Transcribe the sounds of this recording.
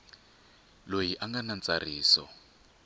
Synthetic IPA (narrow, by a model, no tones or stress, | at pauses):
lojiʔaŋɡanant͡sariːsɔ̰